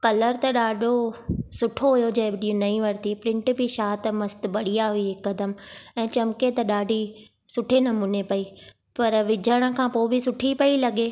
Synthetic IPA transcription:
kɐləɾt̪ɐɗaːɖʱosʊʈʰoɦʊjod͡ʑɐ̃ːbɪɗiːũnɐĩʋɐɾt̪ipɾɪ̃ɳʈbʱiʃaːt̪mɐst̪̆ɓɐɽijaɦʊiɦɪkːɐd̪əmɛ̃ːt͡ɕɐmket̪ɐɗaːɖʱi | sʊʈʰenɐmuːnepɐiː | pɐɾʋɪd͡ʑʱəɽ̃ə̆kʰãːpoːbʱɪsʊʈʰipɐilɐɠeː

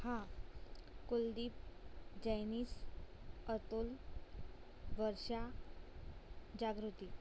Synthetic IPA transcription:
hã | kold̪iːp̚d͡ʑəjniːs | ət̪ul | ʋəɾʂa | d͡ʑaɡɾut̪i

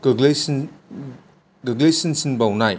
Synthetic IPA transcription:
ɡɯɡles | ɡɯɡlesinsinbawnaj

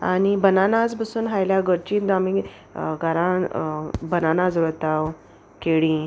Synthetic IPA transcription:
a̰ñibənanad͡zbəsuːnɦajljaɡəɾt͡ɕiːnd̪ami | ɡaɾã | bənanad͡zɾət̪aw | keɽĩ

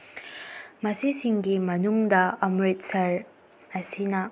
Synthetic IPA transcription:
mɐsisiŋɡimɐnuŋdɐɐmɾit̚sɐɾ | ɐsinɐ

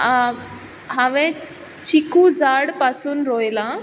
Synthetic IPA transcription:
ã | ɦãʋẽ | t͡ɕikud͡zaːɽpaːsunɾoːelã

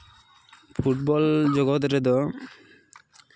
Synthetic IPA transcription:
pʰuʈ̚bɔld͡ʒɔɡɔt̪ɾed̪ɔ

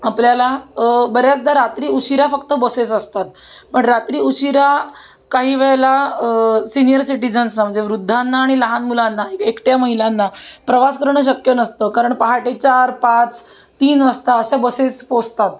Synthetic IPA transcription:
apljalabəɾjat͡sd̪ʱaɾat̪ɾiːuɕiɾafəkt̪əbəsesəst̪at̪̚ | pəɳɾat̪ɾiːuɕiɾa | kaɦiːʋɛɭla | sinijəɾsiʈid͡zənsnam̤əɳd͡zeʋɾud̪ʱːanːaːɽ̃iləɦanmulanːaekekʈjaməɦilanːapɾəʋaskəɾɳəɕ̬əkjənəst̪əkaɾəɳpaɦaʈet͡ɕaɾpat͡s | t̪iːnʋəst̪aəɕabəsespost̪at̪

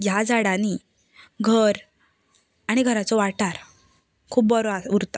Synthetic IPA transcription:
jjad͡zaɽani | ɡʱəɾ | aɽ̃iɡʱəɾat͡sɔʋaʈaɾ | kʰuːb̚bəɾɔauɾt̪a

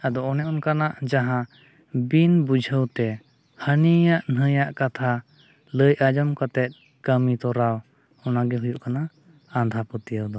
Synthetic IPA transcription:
ad̪ɔɔnɛʔɔnkanaʔd͡ʒaɦã | binbud͡ʒʱəwt̪ɛ | hənijaʔnəjaʔkat̪ʰa | ləjʔad͡ʒɔmkat̪ɛt̪̚ˀ | kəmit̪ɔɾaw | ɔnaɡɛɦujuʔkanaː | nd̪ʱapət̪ijəwd̪ɔ

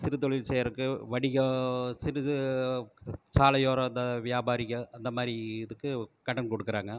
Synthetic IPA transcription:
sɪɾɯt̪̬ɔɭɪlsɛːjɐɾɯkːɯʋɐɽɪɣɐsɪɾɯɯ | t͡ʃaːlɐjoːɾɐɐnd̪ɐʋɪjaːbaːɾɪɣɐɐnd̪ɐmaːɾiɪðɯkːɯkɐɽɐnkɔɽɯkːɪɾaːŋɡɐ

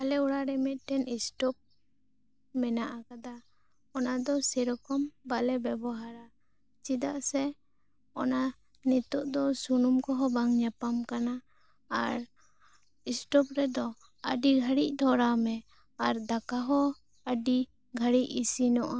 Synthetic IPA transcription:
alɛuɽaɾɛmɛt̪̚ˀʈɛnisʈɔp̚ | mɛnaʔakad̪a | ɔnad̪ɔsɛɾɔkɔmbalɛbɛbɔɦaɾa | t͡ʃid̪aʔsɛ | ɔna | nit̪ɔʔd̪ɔsunumkɔɦɔbaŋɲapamkanaː | ɾ | isʈɔpɾɛd̪ɔ | ə̰ɖiɡʱəɽic̚d̪ʱɔɾamɛ | aɾd̪akaɦɔ | əɖi | ɡʱəɽic̚isinɔʔa

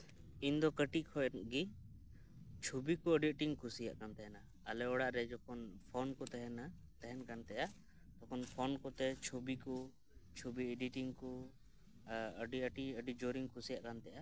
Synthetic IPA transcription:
ind̪ɔkəʈiʔkʰɔɛɡi | t͡ʃʰubikɔəɖiəʈiŋkʰusija̰ʔkant̪ɛɦɛnaːlɛɔɽaʔɾɛd͡ʒɔkʰɔnpʰɔnkɔt̪ɛɦɛnat̪ɛɦɛnkant̪ɛjaʔ | t̪ɔkʰɔnpʰɔnkɔt̪ɛt͡ʃʰubikɔ | t͡ʃʰubieɖiʈiŋkɔ | əɖiəʈiəɖid͡ʒoɾiŋkʰusijaʔkant̪ɛja

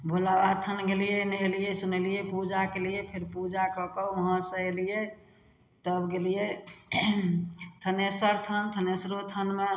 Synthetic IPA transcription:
bʱolabat̪ʰənɡelijenəelijesunəlijepud͡ʒakelijepʰeɾpud͡ʒakɔkəəɦə̃sə̃elije | t̪əbɡelije | t̪ʰənesəɾt̪ʰənt̪ʰənesɾot̪ʰənme

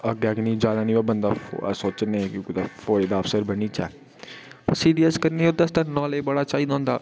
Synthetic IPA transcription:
əɡɛːknĩːd͡ʒjaːd̪aːnĩːɛːbənd̪aːsoːt͡ʃəneːkõːkːd̪afʰoːɾeːd̪aːəfsəɾbəniːt͡ʃɛː | pɾsiːɖiːəskəɾniːod̪əst̪ənɔ̃ːleːbəɽaːt͡ʃaːiːd̪ɔ̃ːnd̪aː

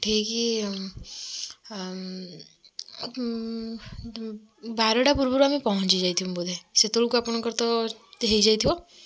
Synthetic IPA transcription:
ʈʰiːki | baɾəɽapuɾbuɾamĩpɔɦɔ̃t͡ʃid͡ʒait̪ʰijũbud̪ʱeset̪oɽukapɳ̃kəɾt̪ɔt̪eɦejd͡ʒat̪ʰiõ

